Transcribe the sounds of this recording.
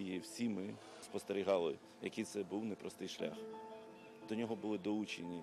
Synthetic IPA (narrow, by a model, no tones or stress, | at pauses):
jiwsʲimɪ | spɔst̪eɾʲiɦɑlˠɪ | jɐ̰kijt̪sɛbuwnɛpɾɔst̪ɪjʃlʲa̰x | d̪ɔnʲɔɦɔbʊlˠɪd̪ɔut͡ʃenʲi